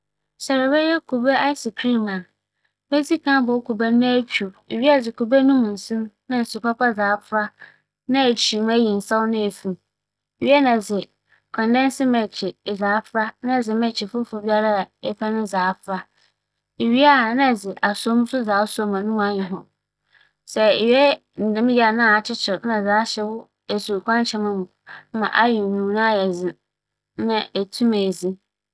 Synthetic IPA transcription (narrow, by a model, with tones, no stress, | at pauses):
sɛ˨ɾɪ˨bɛ˦jɛ˦kʰo˨bɛ˦a˦ɪ˦sɪ˨kʰɾi˦mã˨n | bɛ˦d͡zi˦kʰã˦bɔ˨˦kʰo˨ba˦ã˦kʰᶣi˨e˨ɥi˦a˦˨d͡zɪ˨kʰo˨bæ˦nũ˦m˨n̩˨sĩ˦mnã˦n̩˨sʊ˨pʰa˦pʰa˦d͡zaː˨˦fɾa˦ | nã˦e˨t͡ɕʰi˨m˦æ˦ji˨n̩˨sa˦wnɪ̃˦e˨fĩ˨m | e˨ɥi˦ɛ˦nã˨d͡zɪ˨ | kʰɔ̃˨ndɛ̃˦n˦sɪ˦mɛ̃˨t͡ɕʰɪ˨zaː˨˦fɾa˦nã˦˨d͡zɪ˨mɛ̃˨t͡ɕʰɪ˨fʊ˦fʊ˨bi˦a˦ɾa˦˨ɛ˦pʰa˦nʊ̃˦zaː˨˦fɾa˦ | e˨ɥi˦a˦˨nã˦˨d͡zɪ˨ʔa˨so˦mũ˦sʊ˦zaː˨˦sɔ˦mã˨nũ˦ma˨ɲɪ̃˨ɦʊ̃˨ | sɛ˨e˨ɥɛ˦ | n̩˨dɪ̃˦m˦ja˨nã˦˨a˨t͡ɕʰɪ˦t͡ɕʰɪ˨ɾnã˨zaː˨˦ɕɛ˦wʊ˦ | e˨su˨kʷʰã˦n˦t͡ɕʰɛ˨mɪ̃˦mʊ̃˨˦mã̰˨ʔa˦jɪ˨nũ˨nã˦˨ɛ˨d͡zɪ˨ | nã˦e˨tʰũ˦mɛ˨zi˦